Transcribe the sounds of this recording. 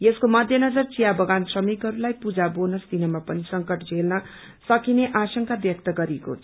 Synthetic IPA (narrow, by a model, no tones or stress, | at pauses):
jeskomʌd̪ʱjʌnʌd͡zʌrt͡sijabʌɡansrʌmikɦʌɾulajpud͡zabonʌst̪inʌmapʌnisʌŋkʌʈd͡zʱelnʌ | sʌkineʔasʌŋkab̪jʌk̚t̪ʌɡʌɾiko̰t͡sʰ